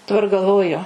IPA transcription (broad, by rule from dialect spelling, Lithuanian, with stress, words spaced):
dɐˈbɐr ɡɐlˠˈʋoːjʊ